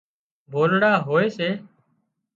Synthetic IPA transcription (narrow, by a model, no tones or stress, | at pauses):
bʱoːlɽaːɦoːeːseː